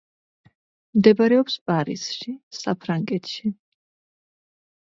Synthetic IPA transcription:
md̪ɛbaɾɛɔpspʼaɾḭsʃisapʰɾaŋɡɛt̪ʰʃi

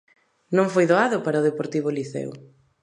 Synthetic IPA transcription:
nõŋfojðoaðʊpaɾaoðepoɾt̪iβʊliθɛ̰w

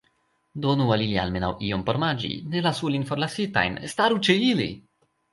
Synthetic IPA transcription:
do̞nualilia̰lme̞na̰wiompoɾmad͡ʒḭne̞lasulinfo̞ɾlasita̰jnstaɾut͡ʃeilḭ

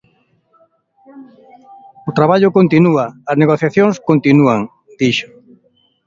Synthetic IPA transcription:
ʊt̪ɾaβaʎʊkõnt̪inuɐːzneɣoθjaθjõŋskont̪inuaŋ | d̪̥iʃʊ̥

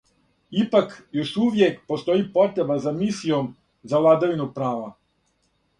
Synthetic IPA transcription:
ipakjoʃuʋjekpost̪o̞ipo̞t̪ɾebazamisijom | zaʋlˠaːd̪aʋinupɾaːʋa

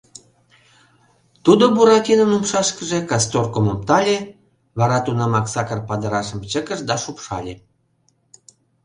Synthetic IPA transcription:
t̪ud̪obuɾɑkʲinənumʃɑʃkə̆ʒĕkɑst̪orkomom̚t̪ɑlʲe | βɑɾɑt̪unɑmɑksɑkərpɑd̪əɾɑʃə̆mt͡ɕəkə̆ʃd̪ɑʃupʃɑ̰lʲe

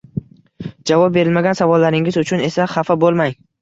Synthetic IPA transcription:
d͡ʒavɒp̚be̞ɾɪlmaɡʲansavɒlˠːaɾɪŋɪzʊt͡ʃʰʊne̞saχafabolˠmaj

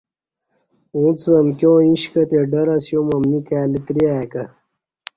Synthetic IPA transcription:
ũːt͡sɐmkʲjõːĩɕkɐt̪eɖɐɾɐsjomɐmnikaːlit̪ɾiaːkɐ

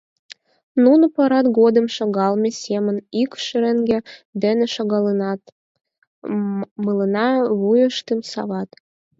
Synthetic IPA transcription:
nunopɑɾɑt̪ɡod̪ə̆mʃɑɣɑlˠmʲesʲemə̆nikʃəɾeŋɡĕd̪eneʃɑɡɑl | mɨlɤ̆nɑβujəʃt̪ɨmsɑ̰βɑt̪

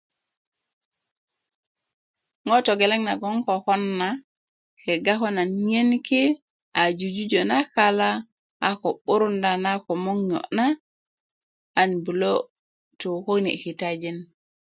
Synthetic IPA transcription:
ŋɔtɔɡɛlɛŋnaɡɔŋkɔkɔnːa | kɛɡaɦɔnanɲenkɛ | ʔad͡ʒud͡ʒud͡ʒɔnakala | ʔakɔɓoɾundanakɔmɔŋjɔ̰na | ʔːnbulɔ | tɔhojnḭkitad͡ʒin

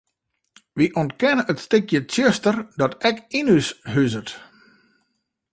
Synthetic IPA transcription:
ʋiʔontkɛnəʔətstɪkjətjøstərdɔtɛkinysɦyzət

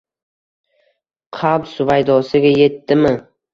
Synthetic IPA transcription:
qʰabsʊvajd̪ɒsɪɡʲaje̞t̪ːɪmɪ

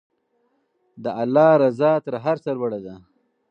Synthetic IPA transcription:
d̪əʔalːɑɾazɑːt̪ɾaɦaɾsaɾwaɽad̪a

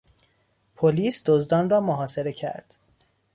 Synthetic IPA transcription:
pʰoliːsd̪ozd̪ɒːnrɒːmoɦɒːse̞ɾe̞cʰæ̰ɾd̪̥

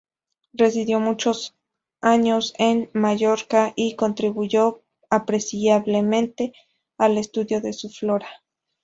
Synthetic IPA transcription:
resiðjomut͡ʃos | aɲosenmaʝoɾkaʔikont̪ɾiβuʝo | apɾesiaβlemẽnt̪e | alest̪uðjoðesufloɾa

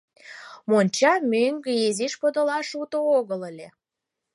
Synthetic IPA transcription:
monʲt͡ɕɑmøŋɡeeziʃpod̪əlɑʃut̪ooɣələlʲe

